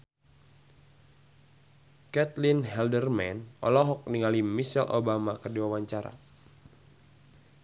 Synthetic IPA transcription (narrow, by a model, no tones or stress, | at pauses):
kɛt̪linɦɛldərmɛ̰nɔ̰lɔɦɔk̚niŋalimisɛ̰lʔo̰bamakərdiwawaɲt͡ʃaɾa̰